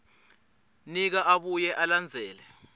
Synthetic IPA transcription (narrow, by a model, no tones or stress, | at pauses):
nik̬aʔaɓujɛʔaland͡zʱɛːlɛ